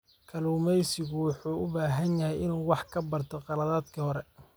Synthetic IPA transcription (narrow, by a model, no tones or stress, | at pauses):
kʰɐluːmɛjsɪɣʊwɑħuːʊbaːɦɐnjɐɦɛjɪnwɑħkʰɐbɐrt̪ʰɔqɑlɐðaːd̪kʰɐhɔɾɛ